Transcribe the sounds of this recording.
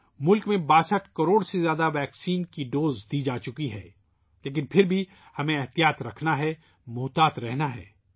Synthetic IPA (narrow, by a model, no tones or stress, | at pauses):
mʊlkmẽbaːsəʈʰkɐɾoːɽsezjaːd̪aʋɛːksiːnkiɖoːzd̪id͡ʒaːt͡ʃʊkiɦɛ̰ː | leːk̬ɪnpʰɪɾbʱi | hɐmẽɐɦt̪ijaːt̪ɾɐkʰnaɦɛ | mʊːt̪aːt̪ɾɛɦnaɦɛ̰ː